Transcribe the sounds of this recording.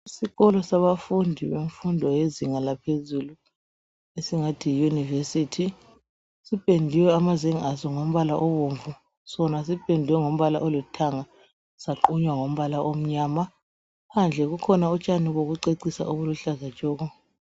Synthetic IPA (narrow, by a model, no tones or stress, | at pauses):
isiɣɔlɔsaβafundʱiβeɱfundʱɔjeziŋalapʰezulu | esiŋatʰijunivesitʰi | sipʼendʱiwɛamazeŋazɔŋom̩βalaʔɔβoɱvu | sɔnas̬ipʰʼendʱiwɛŋom̩βala̰ʔolutʰaŋa | saǃuɲwaŋom̩βalaʔom̩ɲaːma | pʰand͡ɮʱɛɣukʰɔnaut͡ʃʼaniɣoɣuǀeǀisa̰ʔoβuluɬazat͡ʃʼɔːɣɔ